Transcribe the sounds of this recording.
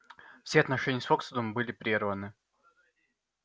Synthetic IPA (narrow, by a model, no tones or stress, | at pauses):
fsʲeɐt̪nɐʂɛnʲɪjəsfoksd̪əmbɨlʲɪpɾʲervənɨ